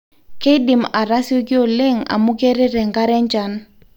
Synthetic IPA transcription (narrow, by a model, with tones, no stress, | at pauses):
ke˦dɪ˨ma˨ɾa˦sjo˦ɡɪ˦o˨le˦ŋa̰˨mu˦ɡe˦ɾɛ˦ɾɛ˨ŋɡa˦ɾɛ˦ɲd͡ʒa˦n